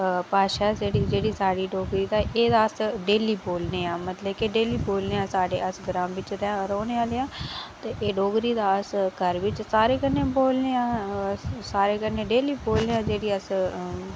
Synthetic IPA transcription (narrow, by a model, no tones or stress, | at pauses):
paːʃaːd͡ʒeːɽiːd͡ʒeːɽiːsaːɽiːɖoːɡɾiːd̪aːʔeːd̪aːəsɖeːliːboːlneːaːmət̪ləbkeɖeːliːboːlneːãːsaːɖḛːəsɡəɾãːmʋɪt͡ʃɾɛɾoːneːaːleːãːt̪eːʔeːɖoːɡɾiːd̪aːəskəɾʋɪt͡ʃsaːɾeːkənːẽːboːlneːãː | saːɾeːkənẽːɖeːliːboːlneːãːd͡ʒeːɽiːəs